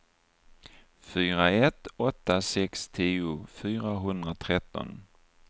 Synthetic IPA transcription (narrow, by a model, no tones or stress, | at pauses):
fyːɾaɛt̪ɔt̪ːasɛkst̪ʰiːʊfyːɾaɦɵnd̪ɾat̪ʰɾɛt̪ːɔ̰n